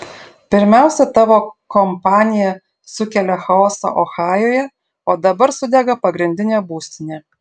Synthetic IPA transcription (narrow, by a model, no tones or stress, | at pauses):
pʲɪɾʲmʲæˑʊsʲɛt̪ɑːʋoːkɔmpɑːnʲɪjɛ | sʊkʲɛlʲɛxɐoːsɐ̰ʔoxɑːjoːjɛ | oːd̪ɐbɐɾsʊd̪ʲɛɡɐpɐɡɾʲɪnʲd̪ʲɪnʲeːbuːsʲt̪ʲɪnʲeː